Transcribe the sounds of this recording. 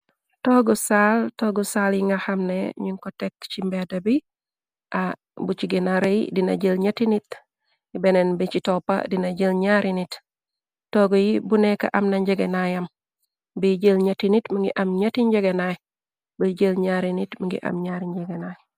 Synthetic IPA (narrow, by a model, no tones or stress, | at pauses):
toɡɔsaltoɡosaljiŋaxamnḛɲiŋkotekt͡ʃimbedabi | ʔa | but͡ʃiɡenaɾejḭdina̰ɟəlɲatinit | ibenenbit͡ʃitopa̰dinaɟəlɲaɾinit | toɡojibuneka̰ʔɐmnaɲɟeɡenajɐm | bəɟəlɲatinitməŋɡiʔɐmɲatiɲɟeɡenaj | bəɟəlɲaɾinitməŋɡḭʔɐ̰mɲaɾiɲɟeɡenaj